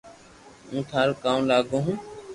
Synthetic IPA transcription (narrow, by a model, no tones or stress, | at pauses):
ũːt̪ʰaːɾoːkaːmlaːɡõːɦũː